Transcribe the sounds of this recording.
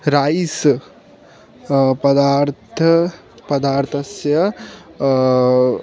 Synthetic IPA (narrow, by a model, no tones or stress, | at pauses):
ɾaːis | pɐd̪aːɾt̪ʰɐ | pɐd̪aːɾt̪ʰɐsjɐ